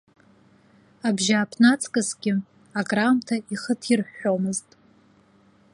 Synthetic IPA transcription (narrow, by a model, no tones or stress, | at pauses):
abʒaːpʰnat͡sʼkʼɨsɡʲɪ | akʼramtʰaiχətʰirħomɨztʼ